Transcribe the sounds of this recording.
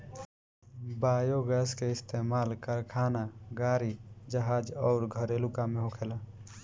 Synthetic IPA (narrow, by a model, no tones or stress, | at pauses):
baːjoɡɛːskeɪst̪eːmaːlkəɾkʰaːnaɡaːɾid͡ʒəɦaːd͡ʒɔːɾɡʱəɾelʊkamẽɦokʰela